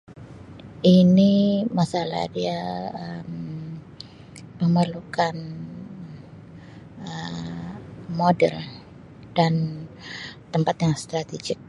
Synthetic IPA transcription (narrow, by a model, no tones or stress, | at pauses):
ʔinimasala̰hdiaəm | məmərlukan | ə | modɛ̰l | d̥an | t̪əmpat̪jaŋst̪ɾat̪ed͡ʒɪk̚